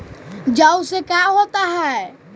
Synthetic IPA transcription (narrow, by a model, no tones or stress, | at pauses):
d͡ʒawsekaɦot̪aɦɛ